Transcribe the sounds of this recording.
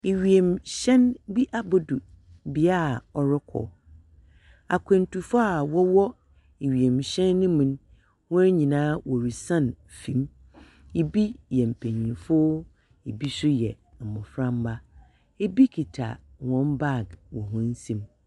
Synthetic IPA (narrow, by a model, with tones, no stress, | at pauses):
e˨ɥi˨e˨mɕɛ̃˦nbi˦ʔa˦bo˦du˨ | bi˨a˦˨ɔ˨ɾɪ˦kʰɔ̰˨ | a̰˨kʰɛ̃˨n̩˦tʰu˨fa˦a˨wɔ˦wɔ˦ | e˨ɥi˨e˨mɕɛ̃˦nːɪ̃˦mũ˨n˦ | wɔ̃˦ɲĩ˨nãː˦wɔ˨ɾi˨sã˦˨n | fĩ˨˦m | e˨bi˦jɛ˨m̩˨pʰẽ˨ɲĩ˨fʊ˦ | e˨bi˦sʊ˦jɛ˨ | m̩˨mʊ̃˨fɾã˦m˦ba˦ | e˦bi˦kʰi˨tʰa̰˨wɔ̃˦nba˦˨ɡwɔ˨ɦʊ̃˦n̩˦sĩ˦m